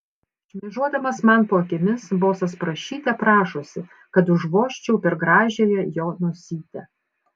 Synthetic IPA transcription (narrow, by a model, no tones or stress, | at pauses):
ɪʃʲmʲɛʒuɔd̪ɐmɐsmɐnpoːɐkʲɪmʲɪsboːsɐspɾɐʃʲiːt̪ʲɛpɾɑːʃosʲɪ | kɐt̪ʊʒʋoːʃʲt͡ʃʲɛʊpʲɛɾɡɾɑːʒʲeːjɛjoːnuɔsʲiːt̪ʲɛ